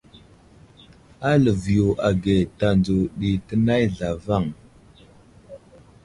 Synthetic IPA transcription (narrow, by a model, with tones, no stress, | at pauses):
a˦lə˨vjo˨ʔa˨ɡe˨ta˨nd͡zo˨ɗi˨tə˦na˦jɮa˨va˦˨ŋ